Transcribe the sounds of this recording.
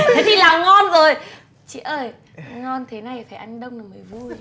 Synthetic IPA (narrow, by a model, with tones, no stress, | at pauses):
a˨˦t̪i˧˩laː˨˩wŋɔ˧nzo˨˩j | t͡ɕḭ˧˨ʔəː˧˩j | ŋɔ˧nt̪ʰe˨˦na˧˩jfaː˧˩jʔa˧jŋ̟ɗə˧wŋ͡mnɨ˨˩məː˨˩jvu˧j